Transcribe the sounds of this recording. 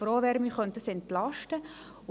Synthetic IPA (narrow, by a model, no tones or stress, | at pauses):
fɾoːʋɛɾmiχœnt̪̚əsɛnt̪lɑʃtə